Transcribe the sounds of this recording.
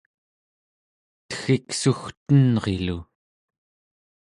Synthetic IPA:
t̪ə̥xiksuxt̪ənʁḛlu

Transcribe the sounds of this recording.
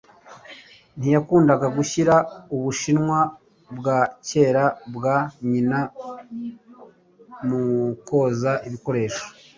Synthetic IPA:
n̥ijakuːndaɡaɡuçiɾauβuʃinŋwa | bɡaːce̞ːɾabɡaɲina | muko̞ːzaʔiβiko̞ɾe̞ːʃo̥

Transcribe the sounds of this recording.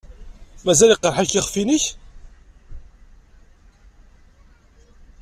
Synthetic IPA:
mæzæliqːəɾˤħaçiχfiniç

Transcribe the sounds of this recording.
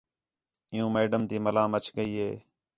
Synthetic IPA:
ɪjũːmeːɖəmt̪iːməlãːmət͡ʃʰkəiːɦeː

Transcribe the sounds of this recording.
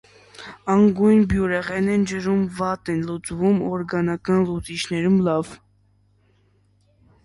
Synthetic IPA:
ɑŋɡujnbjuɾɛʁɛnɛnd͡ʒəɾumvɑt̪ɛnlut͡svumɔɾɡɑnɑkɑnlut͡sit͡ʃʰnɛɾumlɑv

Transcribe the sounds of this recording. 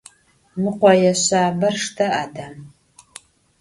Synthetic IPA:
mɨqʷɔjɛɕaːbɐrʂtʰɐʔadɐm

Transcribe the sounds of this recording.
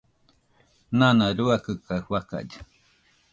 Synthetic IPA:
nãnãɾuakɨkawaka̰d͡ʒḁ

